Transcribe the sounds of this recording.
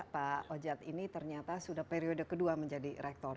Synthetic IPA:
paod͡ʒat̪init̪ərɲat̪asudahpeɾiodəkəduaməɲd͡ʒadiɾɛk̚t̪ɔr

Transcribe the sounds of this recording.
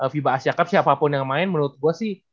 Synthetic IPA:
ʔəfibaːsiakap̚siapapʊnjaŋmaɪnmənuɾʊt̪̚ɡuasɪh

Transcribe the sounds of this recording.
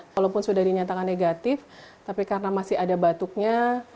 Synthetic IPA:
alapʊnsudahdiɲat̪akanːeɡat̪ɪft̪apikarənamasɪadabat̪uk̚ɲa

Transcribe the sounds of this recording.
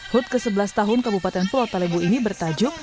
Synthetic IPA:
hʊt̪̚kəsəbəlast̪aɦʊnkabupat̪ɛnfulɔt̪alebuinibərt̪ad͡ʒʊk̚

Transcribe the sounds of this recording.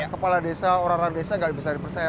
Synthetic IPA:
kəpaladesaoɾaŋoɾaŋdesaŋɡaʔbisardipərt͡ʃaja

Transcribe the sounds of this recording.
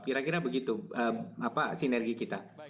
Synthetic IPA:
kiɾakiɾabəɡit̪uəapasinɛrɡikit̪a

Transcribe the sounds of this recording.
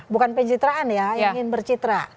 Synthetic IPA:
bukanpəɲt͡ʃit̪ɾaanjaŋɪnbərt͡ʃit̪ɾa

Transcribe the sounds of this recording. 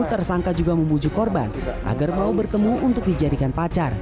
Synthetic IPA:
t̪ərsaŋkad͡ʒuɡaməmbud͡ʒukɔrba̰nʔa̰ɡarmaubərt̪əmuʔunt̪ʊk̚did͡ʒadikanpat͡ʃar

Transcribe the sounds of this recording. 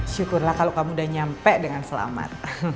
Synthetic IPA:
ʃukʊrlahkaloʔkamudaɲampɛʔdəŋansəla̰ma̰t̪̚

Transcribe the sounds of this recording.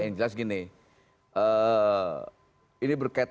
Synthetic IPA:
ind͡ʒəlasɡinɪ | ə | inibərkait̪̚

